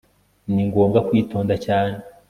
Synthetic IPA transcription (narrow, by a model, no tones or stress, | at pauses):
niŋɡoːmɡakwiːto̞ːndacaːne